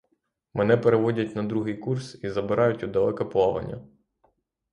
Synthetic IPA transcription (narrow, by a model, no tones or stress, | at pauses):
mɛnɛpeɾeʋɔdʲɐtʲnɐd̪ɾuɦɪjkursizɐbɪɾɑjʊtʲʊd̪ɐlˠɛkɐplˠɔʋɐ̰nʲːɐ̰